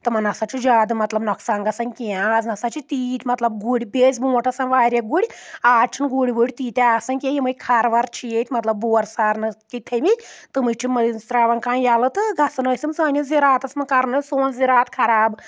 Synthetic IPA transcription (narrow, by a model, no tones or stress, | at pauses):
t̪ɨmɐnɐsat͡ʃʰud͡ʒaːd̪ɨmɐt̪lɐbnɔksaːŋɡɐsɐnʲkijãɐznɐsat͡ʃit̪iːt̪ʲmɐt̪lɐb̚ɡuɽibeːzʲbuːʈʰɐsɐnʋaːɾʲjaɡuɽiaːt͡ʃʰinɡuɽʲibuɽʲt̪iːt̪ʲaːsɐnʲkʲejimɐjʲkʰɐɾʋɐɾt͡ʃʰijet̪ʲmɐt̪lɐbːoːɾsaːɾnɨkit̪ʰɐmit̪ɨmɨt͡ʃʰimɐinst̪ɾaːʋɐnkaːnjalɨt̪ɨɡʱɐsɐnɐsʲimsaːnʲjuziɾaːt̪ɐsmɐkɐɾnɨsoːnziɾaːt̪kʰɐɾaːb